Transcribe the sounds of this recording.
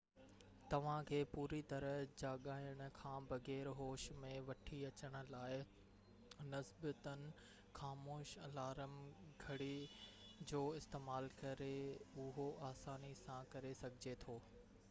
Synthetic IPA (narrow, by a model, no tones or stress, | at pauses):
t̪ɐʋ̤ãkʰeːpuːɾit̪ɐɾəd͡ʑaːɠaːjəɽ̃ʊ̆kʰãːbɐɣɛːɾɦoːʃmẽʋɐʈʰiɐt͡ɕəɽ̃ʊ̆laːɪ | nɐsbət̪ənɪ̆ | xaːmoːʃɐlaːɾəmɡʱɐɽi | d͡ʑoːɪst̪eːmaːlkɐɾeʊɦoaːsaːnisãkɐɾesɐɡʱɪd͡ʑet̪ʰoː